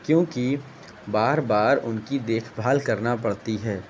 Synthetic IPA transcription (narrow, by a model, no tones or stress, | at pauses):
kjõːki | baːɾbaːɾʊnkid̪eːkʰbʱaːlkɐɾnapɐɽt̪iɦɛː